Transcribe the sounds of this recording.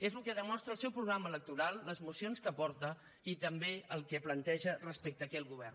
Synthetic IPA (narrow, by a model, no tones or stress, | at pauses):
ezlukɛðəmɔst̪ɾəːlˠsɛwpɾuɣɾamələk̚t̪uɾalˠːəzmusionskəpɔɾt̪ə | it̪əmbeəlˠkɛplənt̪ɛʒərəspɛk̚t̪əːkɛlɣuβɛrn